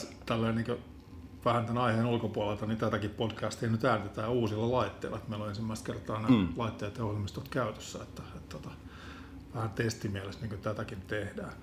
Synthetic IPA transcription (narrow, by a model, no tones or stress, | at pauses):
t̪ælːeːniːkø | ʋæhænt̪ænɑiheːnulkopuɑlelt̪ɑnint̪æt̪ækippodkæːst̪ihnyt̪æːnt̪et̪æːuːsilːɑlɑit̪ːḛlːɑ̰et̪meiloensimːæist̪̚kert̪ɑːnelɑit̪ːeɑt̪eohilmist̪ot̪kæyt̪ø̥sːæet̪ːæ̥et̪t̪ːot̪ɑ̥ | ʋæhænt̪est̪imiælest̪niːŋkøt̪æt̪ækint̪ehdæː